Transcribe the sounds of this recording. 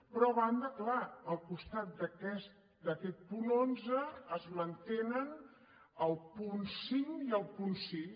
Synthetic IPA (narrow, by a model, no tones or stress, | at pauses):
pɾɔɐβand̪əklaəlˠkust̪at̪̚d̪əkɛst̪ | d̪əkɛt̪̚punonzəːzmənt̪enən | əlˠpunsiŋiəlˠpunsi